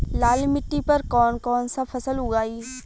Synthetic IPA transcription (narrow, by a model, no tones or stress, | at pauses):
laːlmɪʈːipɐɾkɔːnkɔːnsapʰɐsəlɦʊɡaːiː